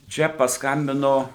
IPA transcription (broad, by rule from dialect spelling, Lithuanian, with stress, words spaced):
ˈt͡ʃʲɛ pɐsˈkɐmʲbʲɪnoː